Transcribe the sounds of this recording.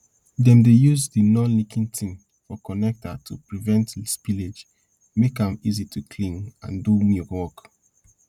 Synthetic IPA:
dɛ̃mdejuzdinɔ̃nlikʰĩntʰĩŋ | fɔkɔnɛk̚tatʰupɹivɛ̃ntspiled͡ʒ | mekãmizitʰukʰlĩŋã̰ndumiwɔk

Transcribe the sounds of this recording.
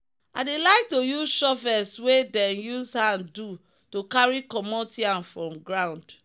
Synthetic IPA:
aɪdelaɪk̚tojuzʃɔfɛswedɛ̃njuzhãndu | tokaɹikɔmɔtiãnfɹɔ̃mɡɹãʊ̃nd

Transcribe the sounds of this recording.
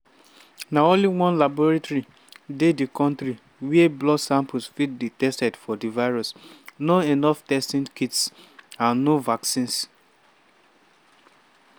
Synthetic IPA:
naõnliwɔ̃nlabɔɹatoɹi | dedikɔ̃ntɾi | wiɛblɔsãmpusfit̚ditɛstɛdfɔdivaɪɹɔsnoenɔftɛstĩnkitsãnːovaksĩns

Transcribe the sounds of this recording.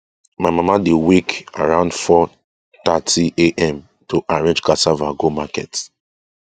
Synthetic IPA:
maɪmamadeweka̰ɹãʊ̃ndfɔ | tatʰiʔeʔɛ̃m | tʰoʔaɹẽnd͡ʒkasavaɡomakɛt

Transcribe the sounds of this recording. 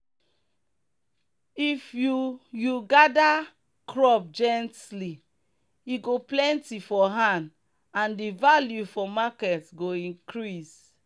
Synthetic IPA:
ifjujuɡada | kʰɹɔp̚d͡ʒɛ̃ntli | iɡoplɛ̃ntifɔɦãnd | ãndivaljufɔmakɛtɡoĩŋkɹis

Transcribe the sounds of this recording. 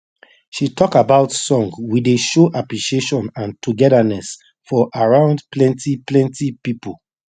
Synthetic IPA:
ʃitʰɔkabaʊtsɔ̃ŋɡwideʃoʔapɹiʃieʃɔ̃nãntuɡɛdanɛs | fɔʔaɹãʊ̃ndplɛ̃ntiplɛ̃ntipipo

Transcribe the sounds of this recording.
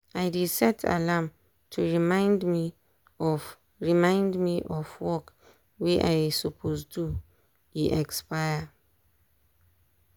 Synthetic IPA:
ajdisɛtʰa̰lam | tʰuɹimãɪ̃ndmi | ɔf | ɹimãɪ̃ndmiʔɔfwɔk | wiʔa̰jsupʰostu | iʔɛkspajə

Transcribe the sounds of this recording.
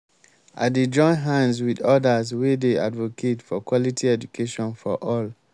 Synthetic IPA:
a̰ded͡ʒɔ̃ɪ̃nɦãnswidɔdazwedea̰dvokʰetfɔkwɔlitʰiɛd͡ʒukʰeʃɔ̃nfɔʔɔl

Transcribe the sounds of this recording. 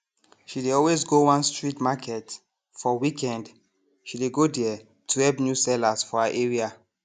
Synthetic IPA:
ʃideɔlwezɡowãnstɹitmakʰɛt | fɔwikʰɛ̃nd | ʃideɡodɛ | tʰuɛpnjusɛlasfɔaʔeɹia

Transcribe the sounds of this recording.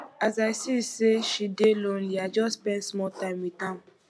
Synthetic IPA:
azaɪsiseʃidelon̩iad͡ʒɔsspɛ̃ndsmɔltaɪmitam̩

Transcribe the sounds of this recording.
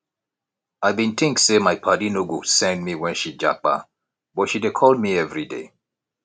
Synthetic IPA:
ajbĩnt̪ʰɪ̃ŋksemajpʰadinuɡosɛ̃ndmiwɛ̃nʃid͡ʒa̰k͡pa̰ | bɔtʃidekʰɔld̚miɛvɹidḛ

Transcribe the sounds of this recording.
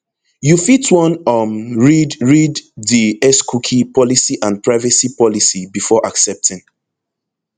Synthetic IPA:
jufitwɔ̃nʌmɹidɹidðiɛskʰukʰipʰɔlisiʔãnpɹaɪvɛsipɔlisibifɔʔaksɛp̚tʰɪ̃ŋ

